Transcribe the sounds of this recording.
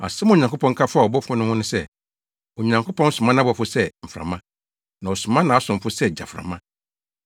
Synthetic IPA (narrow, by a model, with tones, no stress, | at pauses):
a̰˨sɛ˦ma˨ɲã˨kʰo˦pʰɔ̃˦ŋ̩˦kʰa˦fʊ˦a˨ɔ˨bɔ˦fʊ˦nʊ̃˦hʊ̃˦nʊ̃˦sɛ˦ | o˨ɲã˨ŋkʰo˦pɔ̃˦n̩˦sʊ̃˨mã˦nã˦bɔ˨fʊ˦sɛ˦m̩˨fɾa̰˨mã˦ | nã˨ɔ˨sʊ˨mã˦nã˨a˦sʊ̃˨m̩˨fʊ˦sɛ˦d͡ʑa̰˨fɾã̰˨mã˦